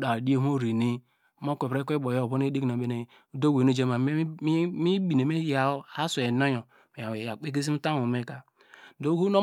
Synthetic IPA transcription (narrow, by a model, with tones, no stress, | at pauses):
da˨di˦e˦ɦo˦ɾi˨ni˦ | m˦o˦kʷe˨ɾe˦kʷe˦bo˨jo˦˨bo˦n˦e˦di˦kno˨be˦ne˨˦ | do˦we˨ne˦d͡ʒe˦ma˨˦mi˦bi˨ne˨me˦ja˨o˦a˦su˨e˨no˦jo˨ | me˨a˨e˨ja˨k͡pe˦k̬e˦s̬i˦m̩˦ta˦mu˨me˦˨ka˨ | do˦ɡu˦no˦